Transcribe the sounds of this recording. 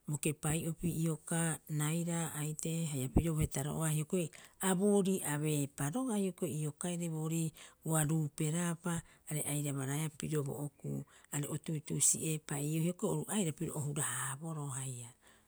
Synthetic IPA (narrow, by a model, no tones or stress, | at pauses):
mokepajo̞piʔio̞kanajɾaajteɦajapiɾo̞βohetaɾo̰ʔoahiokojaboːɾiʔaβe̞paɾo̞ɡahio̞kojio̞kaeɾeβo̞ːɾiuaɾuːpe̞ɾapaːɾe̞ʔajɾaβaɾaapiɾo̞bo̰ʔokṵaɾeʔotujtusḭʔe̞paiohiokooɾuʔajɾapiɾoʔohuɾahaːbo̞ɾo̞ɦaja